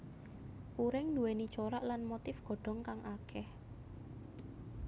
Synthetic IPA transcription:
puɾɪŋnd̪uwɛni̥t͡ʃoɾaʔlanmot̪ɪfɡ̥ɔ̤ɖ̥ɔ̤ŋkaŋʔakʰɛh

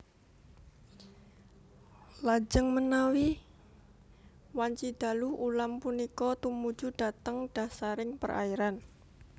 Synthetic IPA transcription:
lad͡ʒəŋmənawi | waɲt͡ʃid̪̥a̤luhulampunikɔt̪umu̥d͡ʒud̥a̤t̪əŋɖ̥a̤saɾɪŋpə̰rʔa̰iɾan

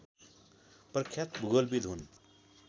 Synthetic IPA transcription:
pɾkʰːjat̪buɡolbid̪ʱɦun

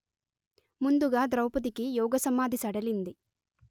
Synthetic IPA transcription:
mund̪uɡaːd̪ɾɐwpɐd̪ikijɔːɡɐsɐmaːd̪ʱisɐɽɐlind̪i

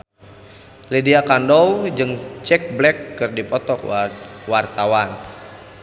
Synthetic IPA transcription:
lidiakandɔwd͡ʒɨŋt͡ʃɛk̚blɛkːɨrdipɔt̪ɔkwart̪awan

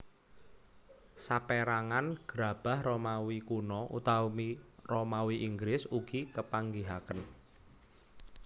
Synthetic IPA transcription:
sapeɾaŋanɡ̥ɾa̤b̥a̤hromawikunɔʔṵt̪amiromawiʔiŋɡɾɪsuɡ̥ikəpaŋɡiɦakən

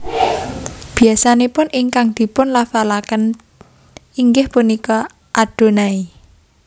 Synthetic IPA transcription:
b̥i̤asanepʊnɪŋkaŋd̪̥i̤pʊnlafalakən | iŋɡɪhpunikɔ | ʔaɖ̥o̤nai

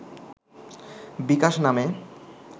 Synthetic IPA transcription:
bikaʃname

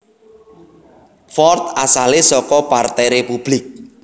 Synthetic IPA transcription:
fɔrt̪asalesɔkɔpart̪ɛjɾepub̥lɪk̚

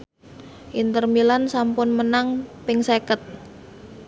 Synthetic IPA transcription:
ʔint̪ərmilansampʊnmənaŋpɪŋsekət̪̚

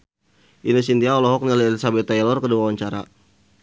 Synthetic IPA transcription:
ʔinosint̪iaɔlɔɦɔk̚niliɛlisabɛt̪ːajlɔrkəduawaɲt͡ʃaɾa̰

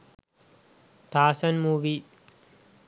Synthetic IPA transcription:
t̪aːsɐnmuːʋi

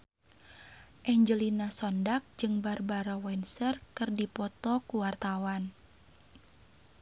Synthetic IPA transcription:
ʔɛɲd͡ʒəlinasɔndak̚d͡ʒɨŋbarbaɾɔwɛnsərkɨrdipɔt̪ɔkuwart̪awan

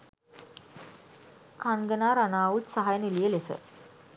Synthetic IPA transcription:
kʰanɡənaːɾanaːʋut̪saɦajənelijəlesə̰

